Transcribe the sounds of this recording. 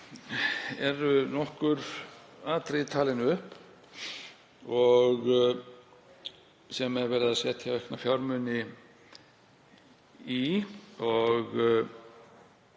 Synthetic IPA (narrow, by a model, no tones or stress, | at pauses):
ɛɾʏnɔhkʏɾaːt̪ɾejt̪ʰaːlɪnʏhp | ɔɣ | sɛmɛɾvɛɾðasjɛt̪ʰjavɛhknafjawɾmʏnɪ | iɔɣ